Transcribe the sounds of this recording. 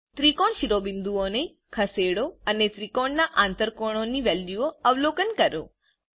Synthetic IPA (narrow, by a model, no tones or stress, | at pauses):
t̪ɾikoɳʃiɾobɪnd̪uone | kʰəseɽoənet̪ɾikoɳnaʔãnt̪əɾkoɽ̃oniʋɛljuoəʋlokənkəɾo̰